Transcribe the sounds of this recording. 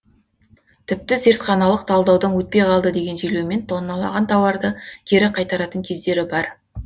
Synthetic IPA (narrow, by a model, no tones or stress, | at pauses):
t̪ʰɪp̚t̪ɪze̞ɾt̪χɑnɑlˠəq̚t̪ʰɑlˠd̪ɑwd̪əŋwɵt̪̚pe̞jqʰɑlˠd̪əd̪e̞ɡʲe̞nʒelewme̞nt̪ʰːonːɑlˠɑ̰ʁɑnt̪ʰɑwɑɾd̪əkʲʰe̞ɾɪqʰɑjt̪ɑɾɑt̪əŋkʲʰe̞zd̪e̞ɾɪbɑɾ